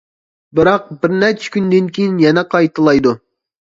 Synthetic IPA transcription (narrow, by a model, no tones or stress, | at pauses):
bɪɾɑq̚bɪɾnɛɾt͡ʃʰɛ̥kʲynd̪ɪnkʲijinjɛnɛqʰɑjt̪ʰɨlˠɑjd̪u